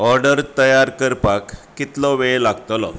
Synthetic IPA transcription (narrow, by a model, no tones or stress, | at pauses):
ɔɾɖəɾt̪əjaɾkəɾpakː | it̪lɔʋeɭlaɡt̪lɔ̰